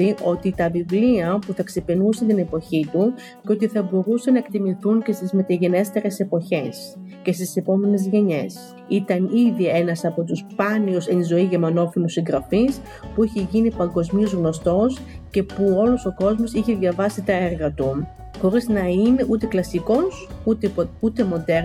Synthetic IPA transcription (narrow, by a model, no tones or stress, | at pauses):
iʔo̞t̪it̪ɐvivliɐpuθɐkse̞pinusent̪ine̞po̞çit̪u | ceo̞t̪iθɐbo̞ɾusenɐekt̪imiθuŋce̞st̪izme̞t̪ɐʝe̞ne̞st̪e̞ɾe̞se̞po̞çe̞s | ce̞st̪ise̞po̞me̞ne̞zʝe̞ɲe̞s | it̪ɐniðie̞nɐsɐpo̞t̪uspɐniosenizo̞iʝe̞mɐno̞filusiŋɡɾɐfis | puiçeʝinipɐŋɡo̞zmio̞zɣno̞st̪o̞s | ce̞puo̞lo̞so̞ko̞zmo̞siçe̞ðʝɐvɐsit̪ɐeɾɣɐt̪u | xo̞ɾiznɐine̞ʔut̪e̞klɐsiko̞sut̪eut̪e̞mo̞d̪eɾ